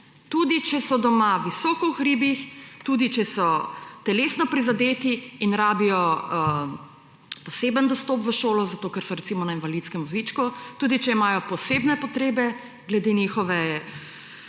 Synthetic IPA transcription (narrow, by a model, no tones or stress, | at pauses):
t̪uːd̪it͡ʃɛsɔd̪ɔmaʋisɔːkɔuxɾiːbixt̪uːd̪it͡ʃɛsɔt̪ɛlesnɔpɾizad̪eːt̪iːnɾaːbijɔ | pɔseːbənd̪ɔst̪oːpʋəʃoːlɔzat̪oːkɛɾsɔɾɛt̪simɔnainvalit̪skɛmʋɔzit͡ʃkut̪uːd̪it͡ʃɛimaːjɔpɔseːbnɛpɔt̪ɾeːbɛ | ɡlɛd̪enixɔʋɛ